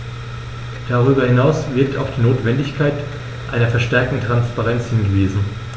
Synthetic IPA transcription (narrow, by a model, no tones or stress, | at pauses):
d̥aʁyːbɐhɪnaʊsv̥ɪɐk̚taʊxd̥iːnoːtv̥ɛndɪçkʰaɪt | ʔaɪnɐfɛɐʃtɛɐk̚tn̩tʁ̥anspaʁɛnt͡shɪnɡəviːzn̩